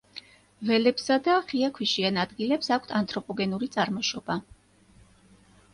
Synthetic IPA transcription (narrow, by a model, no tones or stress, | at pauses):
vɛlɛpsad̪aχiakʰwiʃianad̪ɡilɛpsakʷʰt̪ʰant̪ʼɾɔpʼɔɡɛnuɾit̪sʼaɾmɔʃɔba